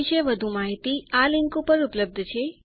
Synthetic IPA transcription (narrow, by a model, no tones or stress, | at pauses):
ʃeʋəd̪ʱũmaɦit̪ialɪŋkupəɾupləb̚d̪ʱt͡ʃʰe